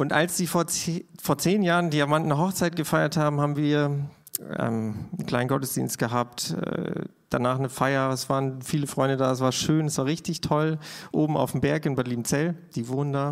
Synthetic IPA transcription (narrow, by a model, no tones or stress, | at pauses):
ʔʊntʔalsd̥iːfoːɐt͡sfoːɐt͡seːnjaːʁəndiːaɐmandnəɦɔχt͡saɪt̚ɡ̥əfaɪɐthaːbm̩haːbm̩viːɐ | ɛ̰ːmn̩kl̥aɪnɡɔtəsd̥ḭːnst̚ɡ̥əɦaːp̚tɛ̰ | d̥anaːχnəfaɪɐɛsv̥aːʁənfiːləfʁ̥ɔʏndədaːɛs̬v̥aːɐʃøːnɛsv̥aːɐʁɪçtɪçtʰɔlʔoːbm̩a̰ʊfm̩bɛɐkɪnbadliːm̩t͡sɛld̥iːvoːnəndaː